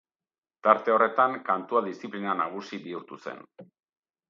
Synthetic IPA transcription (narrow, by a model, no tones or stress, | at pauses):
t̪aɾt̪e̞o̞re̞t̪aŋkant̪uaðist͡siplinanaɣ̞usiβiuɾt̪use̞̰n